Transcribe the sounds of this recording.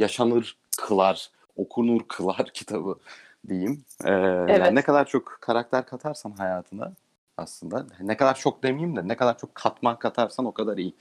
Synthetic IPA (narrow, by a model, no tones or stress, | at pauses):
jaʃanɯɾ | kʰɯlˠaɾ̥ | o̞kʰunuɾkʰɯlˠaɾ̥cʰi̥t̪ʰabɯ | d̪ejim | ɛːjannɛkʰad̪aɾt͡ʃʰo̞kkʰaɾak̚t̪ʰæɾkʰat̪ʰaɾsanɦajaːt̪ʰɯna̰ | a̰slˠɯnd̪anɛkʰad̪aɾt͡ʃʰok̚d̪emijimd̪ɪnekʰad̪aɾt͡ʃʰo̞kʰːat̪mankʰat̪ʰaɾsano̞kʰad̪aɾiji